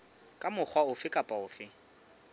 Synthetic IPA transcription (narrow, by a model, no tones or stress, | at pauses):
kʼamʊk͡xʰwaʊfɪkʼapʼaʊːfɪ